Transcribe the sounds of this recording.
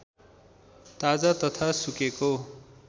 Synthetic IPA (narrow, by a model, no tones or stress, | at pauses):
t̪ad͡zat̪ʌt̪ʰasukeko